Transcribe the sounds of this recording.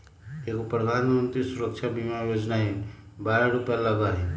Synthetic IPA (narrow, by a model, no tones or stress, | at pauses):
ekopɾəd̪ʱanmənt̪ɾisuɾəkʃʰabimajod͡ʒnaenbaːɾaɾupjalɐɡaɾe